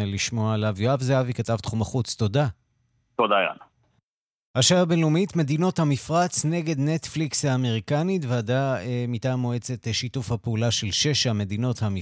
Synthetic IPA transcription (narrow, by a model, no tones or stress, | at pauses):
liʃmo̞aelavjoavzeavikatavt̪χumaχut͡sto̞da | t̪odaja̰na | haʃaabenlumitme̞dino̞thamifʁat͡sne̞ɡe̞dne̞tflikshaːme̞ʁikanitveadaemitaːmoe̞t͡se̞tʃitufhapeulaʃe̞lʃe̞ʃame̞dino̞thami